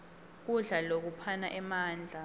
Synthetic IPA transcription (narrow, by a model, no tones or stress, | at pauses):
k̬uɮalok̬upʰanaʔɛmaːnd͡ɮʱa